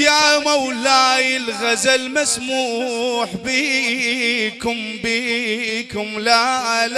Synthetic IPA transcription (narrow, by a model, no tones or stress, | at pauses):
jamɐwlajɪlɣɐzɐlmɐsmuħbi | kʊm | bikʊmlal